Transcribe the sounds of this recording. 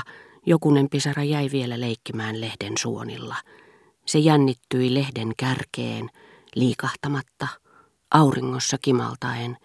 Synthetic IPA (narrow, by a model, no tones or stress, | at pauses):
jokunempisɑrɑjæiʋielæleikːimæːnlehdensuo̰nḭlːɑ | sejænːit̪ːyilehdeŋkærkḛːn | liːkɑht̪ɑmɑt̪ːɑ | ʔɑuriŋːosːɑkimɑ̰lt̪ɑen